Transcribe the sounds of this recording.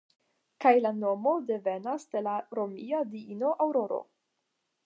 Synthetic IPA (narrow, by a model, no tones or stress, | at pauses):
kajlano̞mo̞de̞ve̞nasde̞laɾomiadiino̞ʔawɾo̞ɾo̰